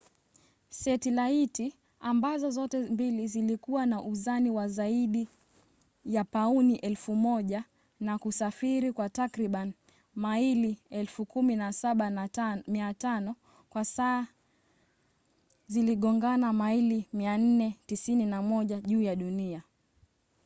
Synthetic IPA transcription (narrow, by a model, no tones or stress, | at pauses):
sɛtilaiti | ambazɔzɔtɛmbilizilikuwanaʔuzaniwazaiɗi | japauniʔɛlfumɔʄa | nakusafiɾikwatakɾiɓan | mailiɛlfukuminasaɓamiatanɔ | kwasaː | ziliɠɔŋɡanamailimian̩nɛtisininamɔʄaʄuːjaɗunia